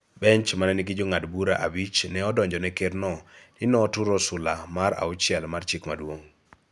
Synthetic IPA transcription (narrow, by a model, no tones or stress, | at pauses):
bɛɲt͡ʃmanɛnikɪd͡ʒoŋadbuɾa̰ʔabit͡ʃnɛɔdɔɲd͡ʒɔnɛkernɔdɪnɔːtuɾɔsʊlamaɾa̰ʊt͡ʃjɛlmart͡ʃikmadwoŋ